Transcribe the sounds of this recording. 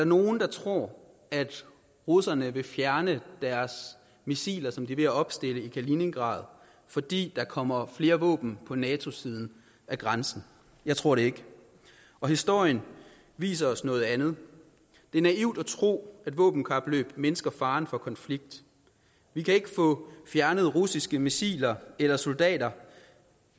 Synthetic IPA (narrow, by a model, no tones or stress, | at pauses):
ædɑ̈ɐno̝ːn̩d̥ɑ̈t͡sʰʁo̝ɐ̰ | æd̥ | ʁusɐnəʋe̝fjæɐnəd̥æɐs | misḭːlɐsɒ̽md̥iʋe̝æɒ̽b̥sd̥e̝ləikʰæline̝ŋɡ̥ʁɑ̰̈ːð̞̩ˠ | fɒ̽d̥ḭːd̥ɑ̈kʰɒ̽m̰ɐfle̝ːɐʋɔ̰̽ːb̥n̩pʰɒ̽nɛːt͡sʰo̝siːð̞ˠn̩ | ʔæɡ̥ʁɑnsn̩ | jɑ̈ɪt͡sʰʁo̝ɐ̰ɾ̥e̝e̝ɡ̥ | ɒ̽hisd̥o̝ɐ̰jən | ʋḭːs̬ɐɒ̽snɔ̽ːð̞̩ˠænð̞̩ˠ | d̥e̝æɐnæiʊ̰d̥æt͡sʰʁo̝̰ːæd̥ʋɔ̰̽ːb̥n̩kʰæb̥lø̰ːb̥menəsɡ̥ɐfɑ̈ːnfɒ̽kʰɒ̽nfliɡ̥̚d̥ | ʋikʰæe̝ɡ̥əfɔ̰̽fjæɐnəð̞̩ˠʁusisɡ̥əmisḭːlɐelɐso̝ld̥ɛ̰ːd̥ɐ